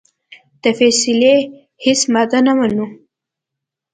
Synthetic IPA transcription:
d̪̥əfɛsɪle | hɪsmad̪anamanu

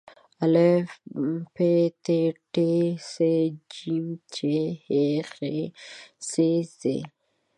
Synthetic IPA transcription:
ale | pet̪eʈesed͡ʒimt͡ʃehexe | sesḛ

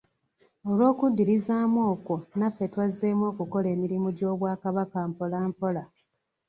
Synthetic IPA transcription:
olwo̞ːkudːiɾizaːmwo̞ːko̞nafːe̞twazemwo̞ːkuko̞le̞ːmiɾimuɟo̞ːβwaːkaβakampo̞laːmpo̞la

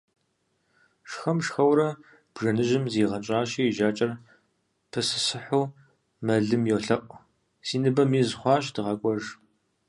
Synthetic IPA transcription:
ʂxɐmʂxɐwɾɐ | b̥ʐɐnɨʒɪmzeːʁɐt͡ʃʼaːɕiːʒaːt͡ʃʼɐr | pʰɨsɨsɨħuː | mɐɮɨmjowɬɐqʷʼ | siːnɨbɐmiːzχʷɑːɕdɨʁɐkʷʼɔʒ

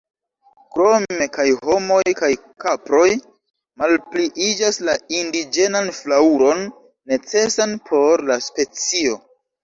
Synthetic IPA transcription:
kɾome̞kajɦo̞mo̞jkaj | kapɾo̞j | malpliʔid͡ʒaslaindid͡ʒe̞nanflauɾo̞nː | e̞t͡se̞sanpʰo̞ɾlaspe̞t͡sio̞

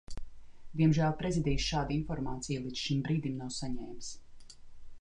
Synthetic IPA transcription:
d̪iɛmʒæːlˠpɾezid̪ɛsʃaːd̪infɔɾmaːt̪sijlˠid̪z̥ʃimbɾiːd̪imnawsaɲɛːjms

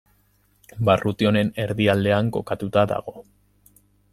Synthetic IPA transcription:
barut̪io̞ne̞ne̞ɾðiald̪e̞aŋko̞kat̪ut̪aða̰ɣ̞o̞

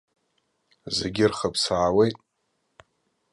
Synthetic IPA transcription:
zeɡʲɪrχapʰsaːwejtʼ

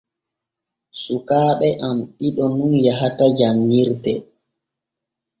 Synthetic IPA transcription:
sukaːɓɛʔamɗiɗɔnunjaɦatad͡ʒaŋːiɾdɛ

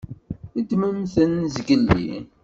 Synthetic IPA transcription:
id̪məmθənzɡəlːḭ

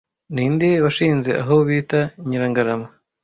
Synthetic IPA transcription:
niːndiwaʃiːnze̞ʔa̰ɦoβiːtaiɲiɾaŋɡaɾama

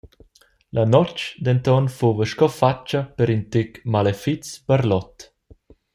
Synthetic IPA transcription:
lanɔt͡ʃd̪ɛnt̪ɔnfovəʃkɔfat͡ʃːapəɾint̪ekmalefit͡sb̥aɾlɔt̪

